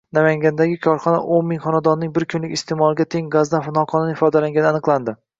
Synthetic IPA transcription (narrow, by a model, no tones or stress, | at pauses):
namaŋɡʲand̪aɡʲɪkʰɒɾχɒna̰ʔonmɪŋχɒnad̪ɒnːɪŋbɪɾkʲʰʊnlɪkʲɪst̪ʰemɒlˠɪɡʲat̪ʰe̞ŋɡazd̪anfɪnɒqʰɒnɪnɪfɒd̪alaŋɡʲanɪanɨqlˠand̪ɪ